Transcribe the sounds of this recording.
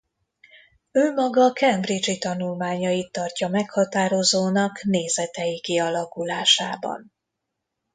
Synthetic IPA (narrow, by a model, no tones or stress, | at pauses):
ømːɒɡɒkɛmbrid͡ʒit̪ɒnulmaːɲɒjit̪ːɒrcɒmɛkhɒt̪aːɾo̞zoːnɒkneːzɛt̪ɛjikiɒlɒkulaːʃaːbɒ̰n